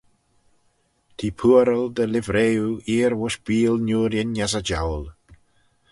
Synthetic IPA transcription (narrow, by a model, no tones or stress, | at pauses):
t̪ʰiːpʰuːəɾəld̪əlɪvɾeːuiːɾwʊʃb̥iːlnuːɾjɪnasad͡ʒa̰wl